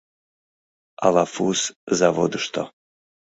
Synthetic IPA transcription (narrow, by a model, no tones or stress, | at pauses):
a̰lafuszavod̪ɨʃt̪ʰo